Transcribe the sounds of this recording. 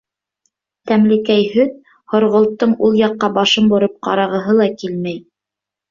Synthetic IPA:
t̪æmlɘ̆kæjɦɵð | hŏɾʁŏlˠt̪ːɤɴulˠjɑqːɑbɑʃɤmbŏɾɤp̚qɑ̰ɾɑʁɤ̆ɦɤlˠɑkilmæj

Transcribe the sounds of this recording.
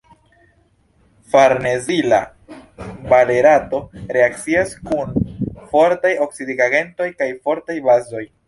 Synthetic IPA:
faɾne̞zila̰ | bale̞ɾato̞ɾe̞akt͡siaskunfo̞ɾtajo̞ksidiɡaɡe̞nto̞jkajfo̞ɾtajbazo̞j

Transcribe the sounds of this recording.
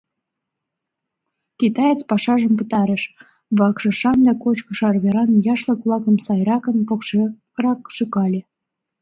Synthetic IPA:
kit̪ɑjet͡spɑʃɑʒəmpət̪ɑɾəʃ | βɑkʃɤ̆ʃɑnd̪ɑkot͡ɕkə̆ʃɑrβeɾɑnjɑʃləkβlˠɑkə̆msɑjɾɑkənpok | rɑkʃukɑlʲe

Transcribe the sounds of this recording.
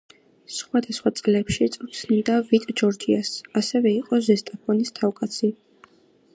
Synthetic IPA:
sχwad̪asχwat̪sʼlɛpʃit̪sʼut̪sʰnid̪avit̪ʼd͡ʒɔɾd͡ʒiasasɛvɛiqʼɔzɛst̪ʼapʰɔnist̪ʰavkʼat̪sʰi

